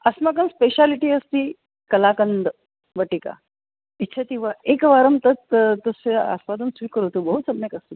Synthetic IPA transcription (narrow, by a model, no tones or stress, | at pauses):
asmak̬ənspeɕaliʈiːəst̪iː | kəlakənd̪ə | ʋəʈika̰ | itːɕʰat̪ĩʋ̤aekʋaɾəmt̪ət̪t̪əsea̰sʋad̪ənsʋikəɾuʋt̪ubəɦusəbnekəst̪u